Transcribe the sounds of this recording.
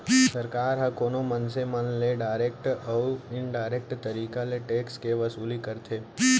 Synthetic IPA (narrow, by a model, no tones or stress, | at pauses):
sɐɾkaːɾɦɐ̃koːnomɐnsemɐnleɖaːɾek̚ʈɔːɾɪnɖaːɪɾek̚ʈt̪ɐɾiːkaleʈeːkskeʋɐsuːlikɐɾt̪ʰeː